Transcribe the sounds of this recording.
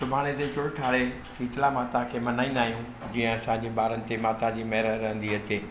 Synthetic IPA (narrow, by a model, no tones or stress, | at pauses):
sʊbʱaːɽ̃et̪et͡ɕʊɽʈʰaːɽe | siːtɪlamaːt̪ãkʰeːmɐnaːĩnd̪aːɦijũ | d͡ʑĩːə̃ɐsãɲd͡ʑeɓaːɾənɪ̆t̪emaːt̪ad͡ʑiːmɐɦɾəɾɐɦə̃nd̪iɐt͡ɕeː